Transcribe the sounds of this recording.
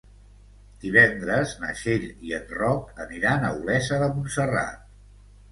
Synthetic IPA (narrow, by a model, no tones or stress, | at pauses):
d̪̥iβɛnd̪ɾəznə̰ʃeʎiənrɔkəniɾanəulɛsəðəmunsəra̰t̪̚